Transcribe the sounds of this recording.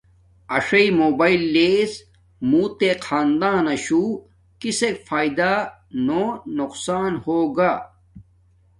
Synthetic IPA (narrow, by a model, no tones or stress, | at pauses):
ɐʂɐimoːbaːilːeːs | muːt̪eqʰaːnd̪ãːnɐɕuː | kisekfʰaːid̪a | nonuqsaːnhoːɡaː